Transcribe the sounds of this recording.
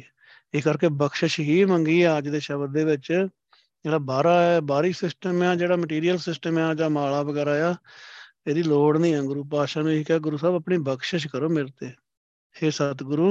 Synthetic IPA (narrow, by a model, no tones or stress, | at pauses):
ɪskəɾkeːbəkʃəʃɦiːməŋɡiːɛːəd͡ʒd̪eːʃəbd̪eːʋɪt͡ʃ | d͡ʒeːɽaːbaːɾaːɛːbaːɾiːsɪsʈəmɛːd͡ʒeːɽaːməʈiːɾijəlsɪsʈəmɛːd͡ʒãːmaːlaːbəɡɛːɾaːjaː | eːd̪iːloːɽnĩːãːɡʊɾuːp̬aːʃãːnũːikɛːɡʊɾuːsaːbəpɳiːbəkʃəʃkəɾoːmɪlt̪eː | heːsət̪ɡʊɾuː